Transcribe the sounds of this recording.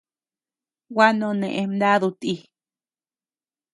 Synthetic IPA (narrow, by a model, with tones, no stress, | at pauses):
wa˦nõ˧nẽ˨ʔẽ˧md̪a˦ðu˧t̪i˧